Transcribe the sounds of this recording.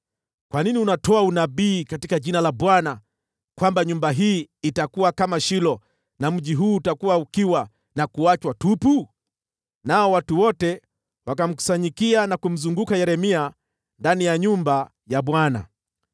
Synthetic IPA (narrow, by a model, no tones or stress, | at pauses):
kwaniniunatɔaunaɓiːkatikaʄinalaɓwana | kwambaɲumbaɦiːitakuwakamaʃilɔ | nam̩ʄiɦuːtakuwaukiwa | nakuat͡ʃwatupu | naɔwatuwɔtɛ | wakam̩ku̥saɲikianakum̩zuŋɡukajɛɾɛmia | ndanijaɲumba | jaɓwana̰